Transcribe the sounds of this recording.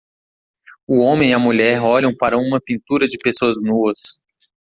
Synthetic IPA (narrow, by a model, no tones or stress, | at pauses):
ʊõmẽj̃iɐmuʎɛɾɔʎɐ̃w̃paɾɐũmɐpĩnt̪uɾɐd͡ʒɪpesoɐznuɐs